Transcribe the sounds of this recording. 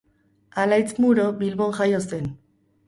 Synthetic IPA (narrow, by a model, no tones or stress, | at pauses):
alajt͡smuɾobilβoŋxajosen